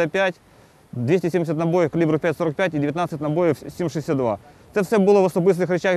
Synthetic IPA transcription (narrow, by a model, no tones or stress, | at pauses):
apʲætʲ | d̪vʲesʲtʲɪsʲemdʲɪsʲət̪nɐbojɪfkɐlʲibɾʊpʲætʲsoɾɐk̚pʲætʲidʲɪvʲɪt̪nat̪sɨtʲnɐbojɪfsʲimʂɨɪsʲat̪d̪va̰t̪sɛfsʲɛbɨlˠəvɐsɐbɨs̬nɨxɾʲɪt͡ɕax